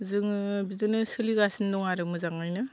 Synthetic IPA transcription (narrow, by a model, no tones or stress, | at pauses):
zɯŋbidɯnɯsɯliɡasindɔŋaɾɯmɯzaŋajnɯ